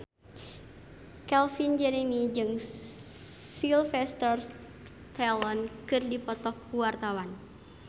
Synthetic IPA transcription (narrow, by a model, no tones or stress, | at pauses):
kɛlfind͡ʒɛɾemid͡ʒɨŋ | silfɛst̪ɔr | t̪ɛlɔnkɨrdipɔt̪ɔhkuwart̪awan